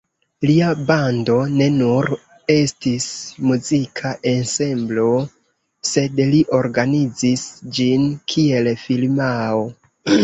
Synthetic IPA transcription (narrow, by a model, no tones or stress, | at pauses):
liabando̞ne̞nuɾ | e̞stismuzikʰaʔe̞nse̞mblo̞ | se̞dliʔo̞ɾɡanid͡zisd͡ʒinkʰie̞lfilmao